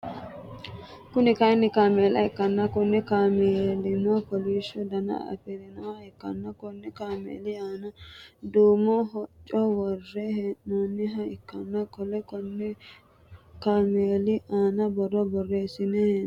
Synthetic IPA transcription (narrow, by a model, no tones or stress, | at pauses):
kʊnɪkɐjnːɪkaːmeːlɐɛkːɐnːɐkʊnːɛkaːmeːlɪnɔakɔliːʃɔd̪ɐnɐ̰ɐ̰pɛɾɛnɔaɛkːɐ̰nːɐkɔnːɛkaːmḛːlɪaːnɐd̪uːmɔhɔt͡ʃʼːɔwɔrːɛhɛnːɔnːɪɦɐɪkːɐnːɐkɔlɛkɔnːɛ | kaːmeːlɪʔaːnɐbɔrːɔbɔrːeːsɪnɛ